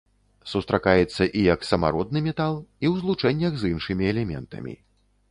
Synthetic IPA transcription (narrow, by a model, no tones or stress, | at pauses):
sust̪ɾakajɛt̪sːɐʔijɐksɐma̰ɾɔd̪nɨmʲɛt̪alˠiwzlˠut͡ʂɛnʲːɐɣzɨnʂɨmʲiɛlʲɛmʲɛ̰nt̪ɐ̰mʲḭ